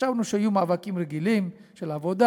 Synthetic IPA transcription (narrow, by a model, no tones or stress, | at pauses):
avnuʃeajumaːvakimʁeɡilimʃelavo̞d̪a